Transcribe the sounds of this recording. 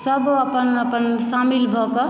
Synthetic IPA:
səbəpənəpənsamilbʱɔkʌ

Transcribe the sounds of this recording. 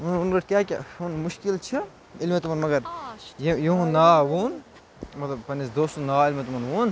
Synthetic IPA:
ununɡɐʈʰkʲaːkʲa̰unmʊʃkilt͡ʃʰi | ilmet̪umɐnmɐɡɐɾjijiɦũnaːʋun | mɐt̪lɐbpɐnisd̪oːst̪unaːilmet̪umɐnʋun

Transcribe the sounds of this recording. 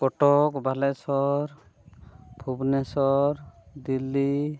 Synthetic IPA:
kɔʈɔkbʱalɛsɔɾ | pʰubnɛsɔɾd̪ilːi

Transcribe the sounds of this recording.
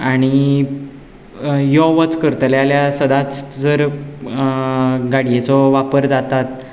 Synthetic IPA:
aɽ̃i | jɔʋət͡skəɾt̪əljaljasəd̪at͡sd͡zəɾ | ɡaɽijet͡sɔʋapəɾd͡zat̪at̪

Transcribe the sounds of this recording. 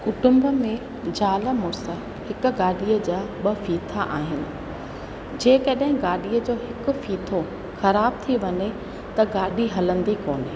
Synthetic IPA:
kʊʈʊ̃mbəmẽ | d͡ʑaːləmʊɾsə | hɪkʊ̆ɡaːɗijəd͡ʑaːɓɐfiːt̪ʰaʔaːɦɪnɪ̆ | d͡ʑeːkɐɗɦɪ̃ɡaːɗijəd͡ʑoːɦɪkʊ̆fiːt̪ʰo | xɐɾaːb̚t̪ʰiʋɐɲe | t̪ɐɡaːɗiɦɐlə̃nd̪ikoːnɪ

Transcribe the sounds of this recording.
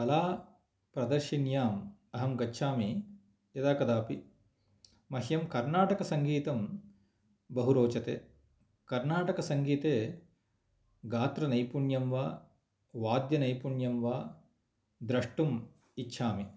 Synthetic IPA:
kɐlaː | pɾɐd̪ɐɾʃinjaːmɐɦɐmɡɐtːʃʰaːmi | jɐd̪aːkɐd̪aːpi | mɐɦjɐmkɐɾnaːʈɐkɐsɐŋɡiːt̪ɐm | bɐɦuɾoːt͡ʃɐt̪eː | kɐɾnaːʈɐkɐsɐŋɡiːt̪eː | ɡaːt̪ɾɐnɐjpuɳjɐmʋaː | ʋaːd̪jɐnɐjpuɳjɐmʋaː | d̪ɾɐʂʈum | itːʃʰaːmi

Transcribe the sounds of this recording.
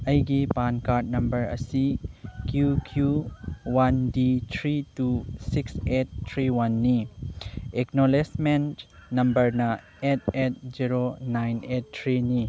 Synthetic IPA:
ɐjɡipankaɾt̚nɐmbɐɾɐ̰sikʰjukʰjuwanditʰɾitusikset̚tʰːɾiwanːi | eknolesmentnɐmbɐɾnɐ | et̚ʰet̚ziɾonajnet̚tʰːɾini

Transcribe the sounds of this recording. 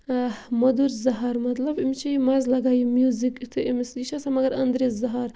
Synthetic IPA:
mod̪uɾzɐɦaɾmɐt̪lɐbimt͡ʃʰimazlɐɡajimjuzikit̪ʰɨʔimisiʃasamɐɡɐɾɐnd̪ɾezɐɦaɾ

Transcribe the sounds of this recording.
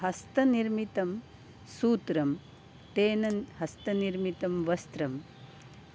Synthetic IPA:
ɦɐst̪ɐniɾmit̪ɐm | suːt̪ɾɐm | ʈeːnɐhɐst̪ɐniɾmit̪ɐmʋɐst̪ɾɐm

